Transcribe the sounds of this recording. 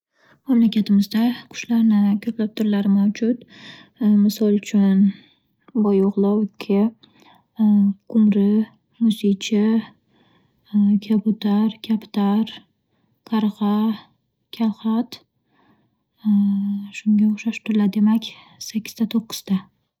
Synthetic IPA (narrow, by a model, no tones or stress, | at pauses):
mamlakʲʰat̪ʰɪmɪzd̪aqʰʊ̥ʃlaɾnɪkʲʰɵplap̚t̪ʰʊɾlaɾɪmawd͡ʒʊt̪ | mɪsɒlˠt͡ʃʰʊn | bɒjoʁlˠɒwkʲʰɪ | qʰʊmɾɪ | mʊsit͡ʃʰɪ | kʲʰabʊt̪ʰaɾkʲʰapt̪ʰaɾ | kʰaɾʁɑ | kʲʰalˠχat̪ | ʃʊŋɡʲaʊχʃaʃt̪ʰʊɾlad̪e̞makʲ | sakʲːɪ̥zd̪at̪ʰoqːɨ̥z̥t̪a